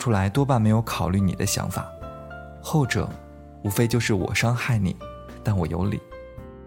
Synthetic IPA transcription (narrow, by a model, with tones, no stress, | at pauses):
ʈ͡ʂʰu˥la˧˥ɪt̪wɔ˥pa˥˩nme˧˥ɪjo˧˥ʊkʰɑ˨˩ʊly˥˩nḭ˨˩d̪ə̰˦ɕjɑ̰˧˥ŋfa̰˨˩˦ | xo˥˩ʊʈ͡ʂɤ̰˨˩ | u˧˥fe˥ɪt͡ɕjo˥˧ʊʂɻ̩˥˩wɔ̰˨˩ʂɑ˥ŋxa˥˩ɪnḭ˨˩˦ | t̪a˥˩nwɔ˨˩jo̰˧˥ʊlḭ˨˩˦